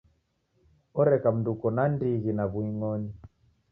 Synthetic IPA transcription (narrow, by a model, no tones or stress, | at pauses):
ɔɾɛkam̩ndukɔnandiɣinaβuiŋɔni